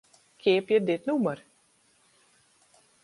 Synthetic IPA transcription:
kʰɪəpjədɪtnumər

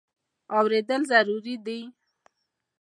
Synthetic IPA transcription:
awɾed̪əlzaɾuɾid̪i

